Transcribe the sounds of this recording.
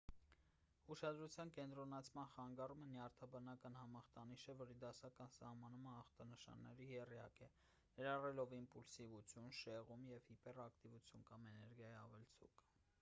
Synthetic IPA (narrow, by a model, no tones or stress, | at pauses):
uʃɑd̪ɾut͡sʰjɑnkɛnt̪ɾɔnɑt͡sʰmɑnχɑŋɡɑrumənjɑɾt̪ʰɑbɑnɑkɑnhɑmɑχt̪ɑniʃəvɔɾid̪ɑsɑkɑnsɑ̰hmɑnuməːχt̪ɑnəʃɑ̰nːɛɾihɛrijɑ̰kɛ | nɛɾɑrɛlɔvimpulsivut͡sʰjunʃɛʁumjɛvhipɛrɑkt̪ivut͡sʰjunkɑmɛnɛɾɡjɑjiɑvɛlt͡sʰṵk